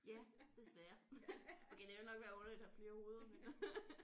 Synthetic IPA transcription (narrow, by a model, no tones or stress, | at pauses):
jæd̥e̝sʋæːɐʔɒkʰed̥eʋelnɒ̽ɡ̥ʋæːɐɔ̽nɐlød̥hæfle̝ːɐho̝ːð̞̩ˠɐmen